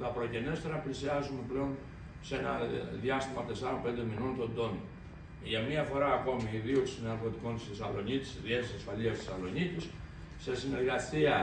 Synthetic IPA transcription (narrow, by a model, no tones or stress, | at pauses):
t̪ɐpɾo̞cenest̪eɾɐplisiazumeple̞on | senɐðiast̪imɐt̪esaɾompend̪eminont̪o̞nd̪o̞no | ʝɐmiɐfo̞ɾaːko̞miːðiuksinɐɾko̞t̪iko̞nt̪i̥sisɐlo̞nit̪i̥sðiet̪isɐsfɐliɐst̪isɐlo̞nit̪is | se̞sine̞ɾɣɐsiɐ